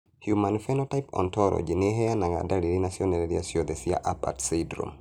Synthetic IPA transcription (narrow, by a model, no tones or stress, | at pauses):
hjumanfɛnɔtajpɔ̰ntɔɾɔ̰d͡ʒineɦɛanaŋa̰daliɾinasjonɛlɛɾija̰siod̪ɛsia̰ʔapa̰tsidɾo̰m